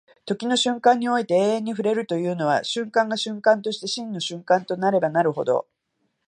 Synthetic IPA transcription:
t̪o̞kʲino̞ɕɨ̃ŋkãɲ̟ːio̞it̪e̞eːẽɲ̟ːiɸɯ̟ɾe̞ɾɯ̟t̪o̞jɯ̟ːno̞βa̰ɕɨ̃ŋkãŋɡaɕɨ̃ŋkãnt̪o̞ɕi̥t̪e̞ɕĩnːo̞ɕɨ̃ŋkãnt̪o̞naɾe̞banaɾɯ̟ɦo̞̰d̪o̞̰

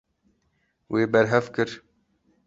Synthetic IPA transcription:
weːbɛɾɦɛvkɨɾ

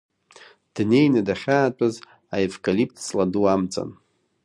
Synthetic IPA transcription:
d̥ne̞jnɨdaχʲaːt͡pʼaz | aevkʼalip̚ʰtʰt͡sʼladuamt͡sʼa̰n

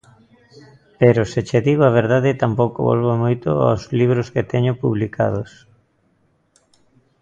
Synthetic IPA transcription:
peɾoset͡ʃeðiɣoaβ̞eɾðaðɪt̪ampowko̰βo̰lβomojt̪o̰a̰wzliβ̞ɾosket̪ɛɲopuβlikʰa̰ðos

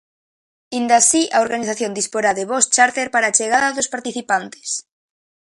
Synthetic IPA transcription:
ind̪asiʔaoɾɣaniθaθjond̪ispoɾaðeβost͡ʃaɾt̪eɾpaɾaːt͡ʃeɣaðaðospaɾt̪iθipant̪e̥s

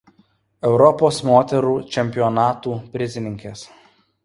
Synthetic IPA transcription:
ɛʊɾɔpoːsmoːt̪ʲɛɾuːt͡ʃʲɛmʲpʲɪɔnɑːt̪uːpʲɾʲɪzʲɪnʲɪŋʲkʲɛs

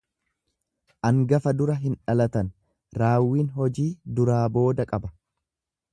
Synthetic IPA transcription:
ʔɐŋɡɐfɐd̪ʊɾɐɦɪnᶑɐlɐt̪ɐn | ɾaːwːiːnɦɔd͡ʒiːd̪ʊɾaːbo̞ːd̪ɐkʼɐbɐ

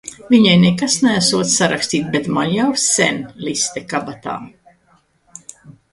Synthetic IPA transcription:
viɲajnɛkasnææsuɔt̪sʲsaɾakst̪iːt̪̚bet̪manjawsɛ̰nlist̪ɛkabat̪a̰ːm

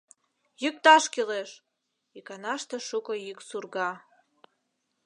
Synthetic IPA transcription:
jyk̚t̪ɑʃkileʃ | ikɑnɑʃt̪ĕʃukɤjyksurɣɑ

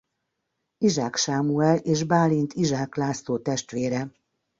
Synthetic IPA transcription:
iʒaːkʃaːmuɛleːʒbaːlint̪ʰiʒaːklaːst̪oːt̪ɛʃt̪ʋeːɾɛ

